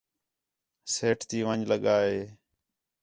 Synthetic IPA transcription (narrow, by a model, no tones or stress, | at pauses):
seːʈʰt̪iːʋəɲd͡ʒləɠaːɦeː